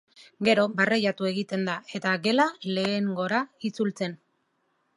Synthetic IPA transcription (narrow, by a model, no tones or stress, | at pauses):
ɡe̞ɾo̞barejat̪ue̞ɣit̪e̞nd̪ae̞t̪aɡe̞lale̞ːŋɡo̞ɾait͡sult͡se̞n